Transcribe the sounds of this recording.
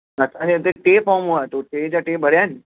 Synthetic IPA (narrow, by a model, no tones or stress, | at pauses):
ɐsãɲd͡ʑet̪̬eʈeːpaːmuat̪oʈeːd͡ʑaʈeːbʱɐɽjaːnɪ